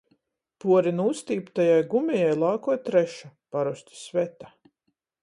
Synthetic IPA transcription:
puɔɾinust̪iːpt̪ajajɡumʲɛjajlˠaːkɔɔjt̪ɾɛʃapaɾusʲt̪ʲi̥svʲɛt̪a

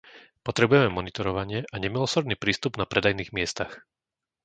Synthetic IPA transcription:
pɔt̪ɾɛbujɛmɛmɔnit̪ɔɾɔʋaɲɪɛʔaɲɛmilɔsɔɾd̪niːpɾiːst̪ubnapɾɛd̪ajniːɣmɪɛst̪ax

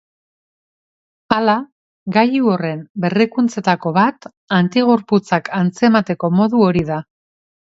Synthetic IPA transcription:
ala | ɣajuore̞mbe̞rikunt͡se̞t̪ako̞βat̪ | ant̪iɣ̞o̞ɾput͡sakant͡se̞mat̪e̞ko̞mo̞ðuo̞ɾiða

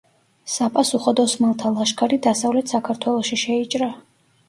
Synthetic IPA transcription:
sapʼasuχɔd̪ɔsmalˠt̪ʰalˠaʃkʰaɾid̪asavlɛt̪ʰsakʰaɾt̪ʰwɛlˠɔʃiʃɛit͡ʃʼɾa

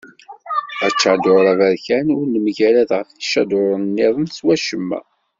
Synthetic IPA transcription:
æt͡ʃːʕd̪ʊɾˤævæɾçænʊɾnəmʝælæðʁəfθiʃæd̪ʊɾˤənnːɪðˤənswæʃəmːæ̰

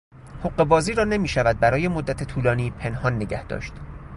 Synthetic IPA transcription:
hoɢːe̞bɒːziːɾɒːne̞miːʃævæd̪̚bæɾɒːjemod̪ːæt̪ʰet̪ʰuːlɒːniːpʰe̞nhɒːnːeɟæhd̪̥ɒ̰ːʃt̪

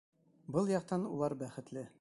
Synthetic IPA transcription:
bɤlˠjɒq̚t̪ɑnulˠɑɾbæχɘ̆t̪lɘ

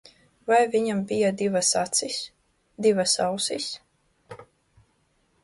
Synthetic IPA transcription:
vajviɲambijad̪ivasat̪sis | d̪ivasa̰wsis

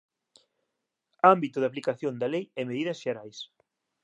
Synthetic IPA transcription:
ambit̪ʊðaplikaθjond̪ɐlejɛmeðiðɐsʃeɾajs

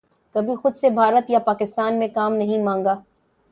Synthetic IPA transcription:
kɐbʱixʊd̪sebʱaːɾət̪japaːkɪst̪aːnmẽkaːmnɐɦĩmãːŋɡaː

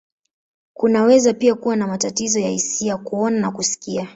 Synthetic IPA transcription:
kunawɛzapiakuwanamatatizɔjahisiakuɔnanakusi̥kia

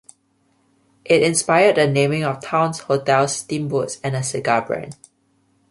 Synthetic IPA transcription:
ʔɪtɪ̃nspaɪədənẽmɪ̃ŋɔftʰãʊ̃nshotʰɛlstĩmbutsɛ̃nəsɪɡabɹɛ̰̃n

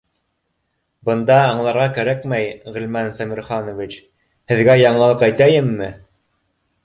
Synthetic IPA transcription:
bɤ̆nd̪ɑːɴlˠɑɾʁɑkæɾækmæjʁɘ̆lmænsæmʲĭɾχɑnŏvit͡ʃ | hɘ̆ðɡæjɑɴlˠɑlˠɤqæjt̪æjɘmːɘ

